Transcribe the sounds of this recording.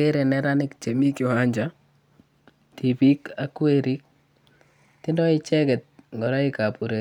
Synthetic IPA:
e˦ɾe˨nɛ˦ɾa˦nɪ˦k̚t͡ʃe˨mi˦kjo˨a˦ɲd͡ʒa˦ | ti˨pi˦ka˦kːweɾi˦k̚ | ti˦ndɔ˦i˦t͡ʃɛ˦kɛ˨t̚ŋɡɔ˨ɾa˦ɪ˦ka˨pu˨ɾe

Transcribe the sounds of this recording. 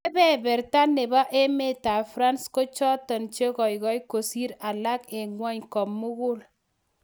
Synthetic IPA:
e˦bɛ˦˨bɛ˨ɾta˦ne˨ba˦ʔe˦me˦ta˨fɾa˦nsko˦t͡ʃɔ˦tɔ˨nt͡ʃe˦kɔ˨jkɔ˦jko˨si˦ɾa˨la˦ke˨ŋwa˦ɲkɔ˨mmːu˦ɣʊ˦l

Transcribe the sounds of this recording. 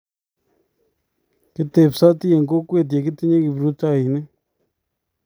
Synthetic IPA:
ki˧t̪e˨psa˦t̪i˦je˧˨ŋko˦kʷe˦˨t̪̬e˨ki˦t̪e˦ɲã˦ki˧bɾu˦t͡sa˦˨i˨nẽ˦

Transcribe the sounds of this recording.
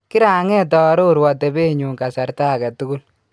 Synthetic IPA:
ki˦ɾa˨ŋɛ˦t̬ɔ˨ɾo˦u˨ɾwɔ˨t̬ɛ˨be˦ɲu˨ŋka˨sa˨ɾta˦˨ka˨tu˦ɡu˦l

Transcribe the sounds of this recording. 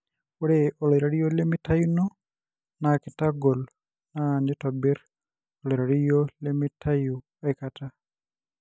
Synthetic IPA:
ɔ˦ɾɛɔ˨lɔ˨jɾa˨ɾi˦jo˦le˦mɪ˦ta˦ju˦nɔ˦ | nakɪ˨ta˦ɡɔ˨l | nanɪ˦tɔ˨bɪ˦ɾ | ɔlɔ˨ɾa˨ɾi˦jo˦le˦mɪ˦tʰa˦ju˨ | ɛkata˦

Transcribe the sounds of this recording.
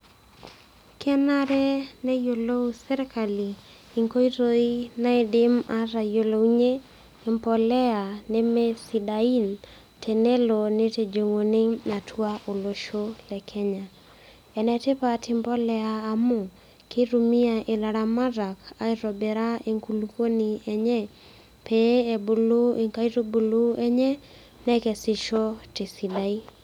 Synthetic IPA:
kɛ˦na˦ɾɛ˦nɛ˦jo˨lo˦usɛ˦ɾɛ˦ka˨liː˨ | ŋko˦i˦ɾo˦i˦na˦ɪdɪma˦ɾa˨jo˨lo˨ɲe˦ | ɪ˨mpɔ˨lɛ˦a˨nɛ˦mɛ˦si˨dai˦n | tʰɛ˨nɛ˦lo˨ni˦te˨d͡ʒo˨ŋo˨nɪ˦na˨tʰwa˦ʔo˨lo˨ʃo˦lɛ˨kʰɛ˦ɲa˨ | ɛ˨nɛ˦tɪ˦pa˨tʰɪ˦mpɔ˦lɛ˨aː˨mʊ˦ | kɪ˦ɾu˨mi˦a˨ʔɪ˨la˨ɾa˨ma˦da˨ka˨ɪ˦ɾɔ˨bɛ˨ɾa˦e˨ŋku˨luko˦ni˨ɛ˨ɲɛ˦ | pe˦e˨bo˨lo˦e˨ŋka˦i˦ɾo˦bu˨lu˦ɛ˦ɲɛ˦ | nɛ˦kɛ˨sɪ˨ʃo˦tɪ˨si˨da˨i˦

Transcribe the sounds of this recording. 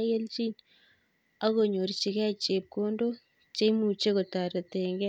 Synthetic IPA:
je˦lt͡ʃi˦ɲ | a˦ɣo˨ɲo˨ɾt͡ʃi˨kɛ˦t͡ʃe˨p̚ko˦ndo˦ | t͡ʃe˦mu˨t͡ʃe˦ko˨ta˨ɾe˨te˨ŋɡɛ˦

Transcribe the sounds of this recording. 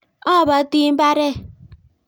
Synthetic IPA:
ɔ˦˨ba˨˦ti˦m̩˦ba˦ɾe˦˨

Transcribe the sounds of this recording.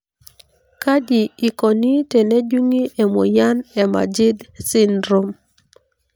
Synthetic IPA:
ka˦d͡ʒiː˨kɔ˨ni˦te˨ne˦d͡ʒu˦ŋi˦ʔe˨mo̰˨ja˦nɛ˨ma̰˨d͡ʒi˦dsi˦ndɾo˨m

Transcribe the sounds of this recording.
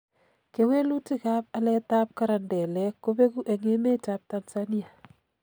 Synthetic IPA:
ke˦we˦lu˦ti˦ka˦p̚alɛ˦ta˦p̚kaɾandɛ˨lɛkːope˦ku˦ʔe˨ŋe˦me˦tap̚tansani˦ja˨

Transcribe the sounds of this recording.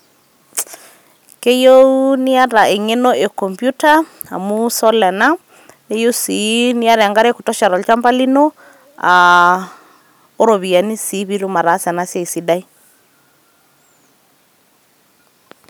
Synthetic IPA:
ke˦jo˦u˦nɪ˦a˦ɾa˨ʔe˨ŋɛ˦nɔ˦ʔe˨kɔ˨mpju˦tʰa˦a̰˨mu˦sɔ˦lɛ˨na˦ | ne˦jo˦si˨ni˦ja˦ɾɛ˨a˨ŋɡa˦ɾɛ˦kʊ˨tɔ˦ʃa˨ɾɔ˨lt͡ʃa˦mpa˦li˦no˦ | a˨ | ʊ˦ɾo˨βi˨a˨ni˦si˨˦βi˦ɾu˦ma˨ɾa˨˦sɛa˨na˦sa˦˨i˨si˨da˦i˦

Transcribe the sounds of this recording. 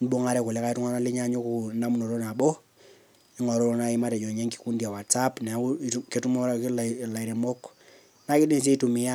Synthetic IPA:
n˦bo˦ŋa˦ɾɛ˦ku˨le˦ka˦i˦tu˦ŋa˦na˦li˦ɲa˦ɲu˦ku˦na˦mu˦no˨ɾo˦na˨bɔ˦ | i˦ŋɔ˨ɾo˦na˦i˦ma˦tɛ˨d͡ʒɔ˨ɲe˦ŋki̥˨ku˦ndia˨wa˨tsa˦pnɛ˨˦ke˦tu˦mo˦ɾa˦klla˨i˨ɾe˨mo˦k | na˦ki˦di˦nsi˦tu˨mi˦ja˦

